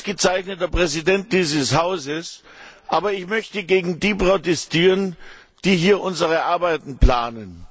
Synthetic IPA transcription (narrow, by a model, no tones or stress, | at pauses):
sɡ̥ət͡saɪçnətɐpʁ̥ɛzidɛnt̚d̥iːzəshaʊzəsʔaːbɐɪçmœçtəɡeːɡŋ̩diːpʁ̥otɛstiːʁən | d̥iːɦiːɐʔʊnzəʁəʔaɐbaɪtn̩pl̥aːnən